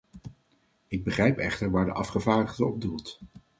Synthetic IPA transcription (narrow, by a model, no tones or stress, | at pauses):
ɪɡ̚bəχrɛjpɛχtəɹʋaːɹdə̰ʔɑfχəvaːɹdəχdəɔb̚dulˠt